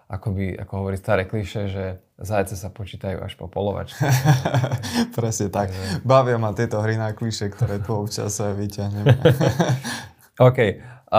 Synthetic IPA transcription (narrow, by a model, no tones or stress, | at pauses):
ʔakɔbia̰kɔɦɔʋɔɾiːst̪aɾɛːkliʃɛʒɛ | zajt͡sɛsapɔt͡ʃiːt̪ajṵːa̰ʃpɔ̰pɔlɔʋa̰t͡ʃ | pɾɛsɲɛt̪akbaʋɪamat̪ɪɛt̪ɔɦɾinakliʃɛkt̪ɔɾɛːt̪uɔpt͡ʃa̰sɛʋicaɦɲɛmɛ | ɔːkɛj